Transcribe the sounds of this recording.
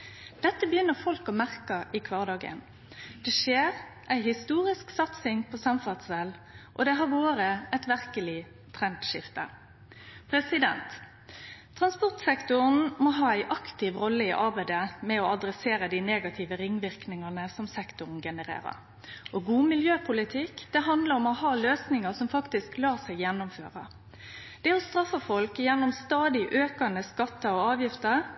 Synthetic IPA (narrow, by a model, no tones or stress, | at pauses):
d̪̥ɛt̪ːəbəjʏnːəʁfɔlkɔmæʁkəʔɪkʰʋɑːʁd̪ɑːɡə̰n | d̪̥ɛʃeːʁʔæɪhɪst̪uːɾɪsksɑt̪sɪŋpʰɔsɑmfɑt̪sɛlʔɔd̪ɛɦɑʁʋoːɾəɛt̪ʋæʁkəlɪ | t̪ʰʁɛnt̪ʃɪft̪ə̰ | pʰɾɛsɪd̪ɛ̰nt̪ʰː | ʁɑnspɔʁt̪sɛkt̪ʊʁn̩mɔɦɑːæɪʔɑkt̪ɪʋʁɔlːəɪʔɑʁbæɪd̪əmɛɔɑd̪ɾɛseːɾəd̪ɪneːɡɑt̪ʰɪʋəɾɪŋːʋɪʁknɪŋɑnəsɔmsɛkt̪ʊʁn̩ɡɛnəɾḛːɾə̰ɾ | ʔɔɡuːmɪljøːpʰʊlɪt̪ʰɪkd̪̥ɛɦɑnd̪ləɾɔmɔhɑːløːsnɪŋəsɔmfɑkt̪ɪsklɑːsæɪɡjɛnːʊmføːʁə | d̪̥ɛːɔst̪ɾɑfːɑfɔlkjɛnːʊmst̪ɑːd̪ɪʔøːkɑnəskɑt̪ːəɾɔɑːʋjɪft̪əɾ